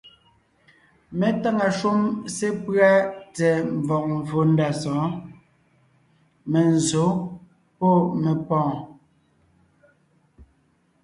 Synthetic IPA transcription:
mɛ˨ta˦ŋa˨ʃu˦mse˦pɰa˦tɛ˨m˨vɔ˨k̚ɱ̩˨vo˨˦n˦da˨sɔ̃ː˨˦ | mɛ˨n˨zo˨˦ | po˦˨mɛ˨pɔ̃ː˨

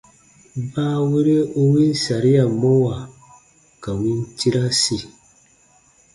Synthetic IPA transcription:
baː˦we˦ɾe˦o˦wi˦n˦sa˨ɾi˦ja˨mo˦wa˨ | ka˨wi˦nti˦ɾa˦si˨

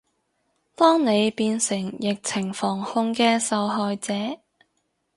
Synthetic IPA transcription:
t̪ɔː˥ŋne˨˧jpiː˧nsɪ˨˩ŋjɪ˨k̚t͡sʰɪ˨˩ŋfɔː˨˩ŋhʊ˧ŋkɛː˧sɐ˨˧wɦɔː˨jt͡sɛː˨˥

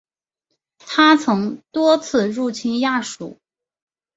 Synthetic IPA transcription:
t̪ʰa˥t͡sʰɤ˧˥ŋt̪wɔ˥t͡sʰɹ̩˥˧ɻu˥˩t͡ɕʰi˥nja˥˩ʂṵ˨˩˦

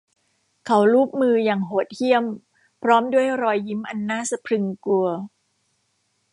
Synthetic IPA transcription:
kʰa˩˦wɾuː˦˥˩p̚mɯː˧jaː˨˩ŋɦoː˨˩t̪̚hi˥˩əm | pʰɾɔː˦˥mdu˥˩əjɾɔː˧jːi˦˥mʔa˧nːaː˥˨sa˧pʰɾɯ˧ŋku˧ɐ

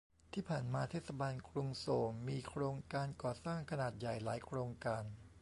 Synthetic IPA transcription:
t̪ʰiː˥˩pʰaː˨˩nmaː˧t̪ʰeː˥˩t̪sa˧baː˧nkʰɾu˧ŋsoː˩˦mmiː˧kʰɾoː˧ŋkaː˧nkɔː˨˩saː˥˩ŋkʰa˧naː˨˩t̪̚ja˨˩jla̰ː˩˦jkʰɾoː˧ŋkaː˧n

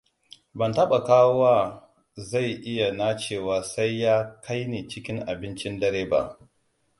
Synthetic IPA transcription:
bɐ˨ntɐ˦ɓa˨kaː˦wo˦waː˦ | za˦˨jʔɪ˦ja˨na˦t͡ʃeː˦˨waː˨sa˦jːaː˦kʰa˦jneː˨t͡ʃɪ˦kʲɪ˦ŋʔa˨bɪ˦nt͡ʃɪ˦ndɐ˦ɾeː˦ba̰˦ʔ

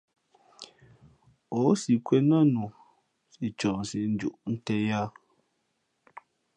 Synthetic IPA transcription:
o˨˦si˨kwɛ˦na˦nu˨ | si˨t͡ʃɔ˨n˨si˨n̩˦d͡ʒu˨ʔn̩˦tɛ˦ja˦

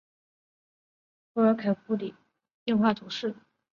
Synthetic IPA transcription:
xɤ˧˥ə˞˧˥kʰa˨˩ɪku˧˥li˨˩˦ | ji˥˧ŋxwa˥˩t̪ʰu˧˥ʂɻ̩˥˩

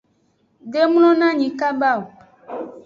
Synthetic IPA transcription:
ɖe˦m˦lɔ̃˦nã˦ɲĩ˨ka˦ba˦˨wo˨

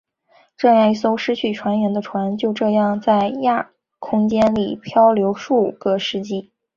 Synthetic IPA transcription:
ʈ͡ʂɤ˥˧jɑ˥˧ŋi˥˩so˥ʊʂɻ̩˥t͡ɕʰy˥˩ʈ͡ʂʰwa˧˥nɥɛ˧˥nd̪ə˧ʈ͡ʂʰwa˧˥nt͡ɕjo˥˧ʊʈ͡ʂɤ˥˧jɑ˥˩ŋt͡sa˥˧ɪja˥˩ | kʰʊ˥ŋt͡ɕjɛ˥nli˨˩pʰjɑ˥ʊljo˧˥ʊʂu˥˩˨kə˧˩ʂɻ̩˥˧t͡ɕi˥˩

